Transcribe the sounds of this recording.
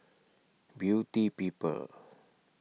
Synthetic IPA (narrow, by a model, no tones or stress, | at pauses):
bjutipipə̰l